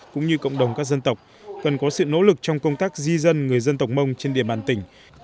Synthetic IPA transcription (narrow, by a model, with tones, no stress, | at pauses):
kʊ̰˧˥ŋ͡mɲɨ˧kə̰˧˨wŋ͡mɗə˨˩wŋ͡mkaː˦˥k̚zə˧nt̪ə˨˩wk͡p̚ | kə˨˩nkɔ˨˦sɨ̰˧˨no̰˧˥lɨ˨˩k̚t͡ɕɔ˧wŋ͡mkə˧wŋ͡mt̪aː˦˥k̚zi˧zə˧nŋɨ˨˩əjzə˧nt̪ə˨˩wk͡p̚mə˧wŋ͡mt͡ɕe˧nɗḭ˧˩əmɓaː˨˩nt̪ï˧˩ŋ̟